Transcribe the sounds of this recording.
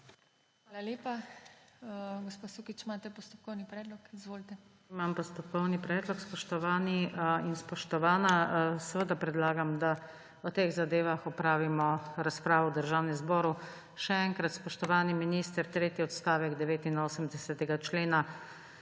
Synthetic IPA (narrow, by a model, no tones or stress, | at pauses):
xʋaːlaljeːpa | ɡɔspasukit͡ʃmaːt̪ɛpɔst̪ɔp̚kɔwnipɾɛːd̪lɔkizʋoːlt̪ɛ | mampɔst̪ɔpkɔwnipɾɛːd̪lɔkspɔʃt̪ɔʋaːniinspɔʃt̪ɔʋaːnasɛʋəd̪apɾɛd̪laːɡamd̪a | ɔt̪eɣzad̪eːʋaxɔpɾaːʋimɔɾaspɾaːʋɔwd̪əɾʒaːwnɛmzbɔːɾu | ʃɛɛŋkɾat̪spɔʃt̪ɔʋaːniminiːst̪əɾt̪ɾeːt̪jiɔt̪st̪aːʋɛɡd̪ɛʋeːt̪inoːsəmd̪ɛsɛt̪ɛɡat͡ʃleːna